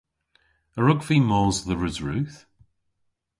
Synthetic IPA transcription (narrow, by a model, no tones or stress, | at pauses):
əɹʊɡviːmɔːzðəɹɪzɹʉːθ